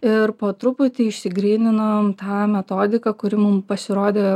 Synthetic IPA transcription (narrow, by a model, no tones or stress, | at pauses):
ɪɾpoːt̪ɾʊpʊt̪ʲɪɪʃʲsʲɪɡɾʲiːnʲɪnoːmt̪ɑːmʲɛt̪oːd̪ʲɪkɐkʊɾʲɪmʊmpɐsʲɪɾoːd̪ʲeː